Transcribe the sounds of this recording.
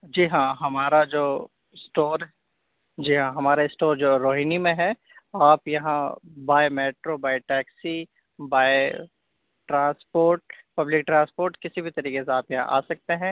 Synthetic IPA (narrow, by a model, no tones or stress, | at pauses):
d͡ʒiːɦãːɦɐmaːɾad͡ʒoː | sʈoːɾ | d͡ʒiːɦãːɦɐmaːɾeɪsʈoːɾd͡ʒoːɾoːɦinimẽɦɛ | aːpjɐɦãbaːemeːʈɾobaːjʈɛːksi | baːe | ʈɾãːspoːɾʈ̚pɐblɪk̚ʈɾãːnspoːɾʈkɪsibʱit̪ɐɾiːkeseaːpjɐɦã̰ʔa̰ːsɐk̚t̪eɦɛ̃ː